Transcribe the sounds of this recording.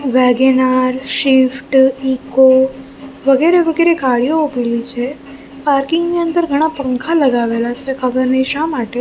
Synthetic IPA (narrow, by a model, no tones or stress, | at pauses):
ʋɛɡenaɾʃɪfʈiko | ʋəɡeɾeʋəɡeɾeɡaɭijoupilit͡ʃʰe | paɾkɪŋɡniənd̪əɾɡʱəɽ̃apə̃ŋkʰaləɡaʋelat͡ʃʰekʰəbəɾniʃamaʈe